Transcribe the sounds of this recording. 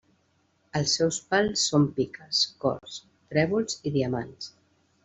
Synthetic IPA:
əlˠsːɛwspalˠsːompikəskɔ̰rs | t̪ɾɛβulˠziðiəma̰ns

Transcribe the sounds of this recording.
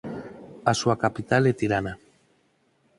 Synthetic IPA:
asuakapit̪alet̪iɾana

